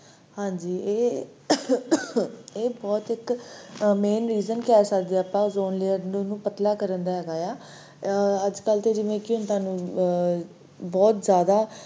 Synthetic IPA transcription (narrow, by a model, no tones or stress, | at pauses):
hãːɲd͡ʒiːeː | eːbɔːt̪ɪk | meːnɾiːzənkɛːsəkd̪eːaːpãːzoːnleːəɾnnũːpət̪laːkəɾənd̪aːɦɛːɡaːjaː | əd͡ʒkəlt̪eːd͡ʒɪʋẽːkɪʊnt̪aːnũː | bɔːt̪zjaːd̪aː